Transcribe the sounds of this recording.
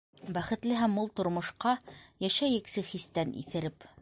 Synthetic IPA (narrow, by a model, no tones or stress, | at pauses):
bæχɘ̆t̪lɘɦæmːulˠt̪ŏɾmŏʃqɑjæʃæjɘksɘχist̪ænʔḭθɘ̆ɾɘp